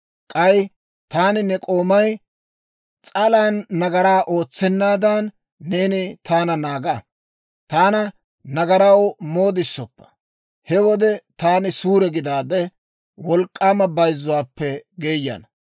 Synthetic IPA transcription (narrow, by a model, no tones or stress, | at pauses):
kʼɐj | t̪aːnɪnɛkʼo̞ːmɐj | t͡sʼɐlaːnːɐɡɐɾaːʔo̞ːt͡sːɛnːaːd̪ɐnː | e̞ːnɪt̪aːnɐnaːɡɐ | t̪aːnɐ | nɐɡɐɾɐwmo̞ːd̪ɪsːɔpːɐ̥ | hɛwɔd̪ɛt̪aːnɪsuːɾɛɡɪd̪aːd̪ɛ | wɔlkʼːaːmɐbɐjzːʊwaːpːɛɡe̞ːjːɐ̰n